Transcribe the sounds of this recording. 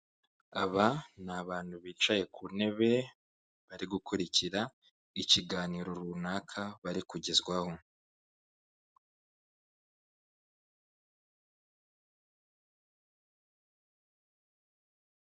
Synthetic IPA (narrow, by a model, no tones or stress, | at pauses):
aβanaβaːnhuβiːt͡ʃaje̞kuːne̞βe̞ | βaɾiɡukuɾiciɾa | iciɡaːniːɾo̞ɾunaːkʰaβaɾikuɟezɡwaho̞